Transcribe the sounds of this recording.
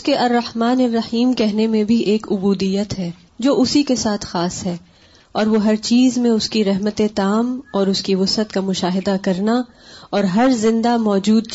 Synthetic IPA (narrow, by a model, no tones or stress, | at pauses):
keʔɐrːɐhmaːneɾɐhiːmkɛɦnemẽbʱiʔeːkʊbuːd̪ijət̪ɦɛː | d͡ʒoːʔʊsikesaːt̪ʰxaːsɦɛː | ɔːɾʋoɦɐɾt͡ʃiːzmẽʊskiɾɛɦmət̪et̪aːmɔːɾʊskiʋʊsət̪kamʊʃaːɦɪd̪akɐɾna | ɔːɾɦɐɾzɪ̃nd̪amɔːd͡ʒuːd̪̚